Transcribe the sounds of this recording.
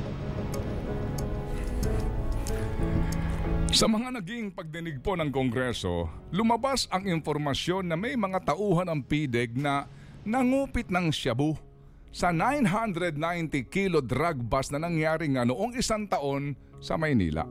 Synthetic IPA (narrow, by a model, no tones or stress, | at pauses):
sɐmɐŋanɐɡɪŋpɐɡ̚d̪ɪnɪɡ̚po̞nɐŋkoŋɡɾɛso̞̰lʊmɐbasɐŋɪnpo̞ɾmɐsjo̞nːɐmɐjmɐŋat̪ɐʔuːɦɐnɐŋpiːd̪ɛɡ̚nɐ | nɐŋuːpɪt̪̚nɐŋʃɐbu | sɐnajnɦand̪ɾɛd̪̚najnt̪ɪkilo̞d̪ɾaɡ̚bɐsnɐnɐŋjaːɾɪŋanʊʔo̞ŋɪsaŋt̪ɐʔo̞n | sɐ̰mɐjnḭːla̰ʔ